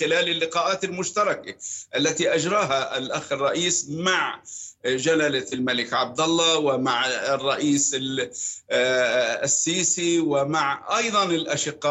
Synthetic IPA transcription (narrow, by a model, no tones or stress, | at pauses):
xɪlaːlɪlːɪqɑːʔaːt̪ɪlmʊʃt̪ɑɾˤɑkaʔalːat̪iʔad͡ʒɾˤɑːɦaalʔaxɪrˤːɑʔiːsmaʕ | d͡ʒalalalmalɪkʕab̚d̪alːɑwɪmaʕrˤːɑʔiːsɪ | sːiːsiwɪmaʕʔɑjðˤɑnɪlʔaʃɪqːɑː